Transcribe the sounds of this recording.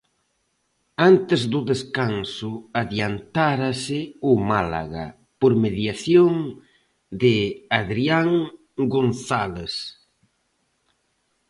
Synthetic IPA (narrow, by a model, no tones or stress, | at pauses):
ant̪ɪzðʊðeskansʊaðjant̪aɾasɪʊmala̰ɣa̰ | poɾmeðjaθjoŋ | d̪ɪaðɾiaŋ | ɡonθales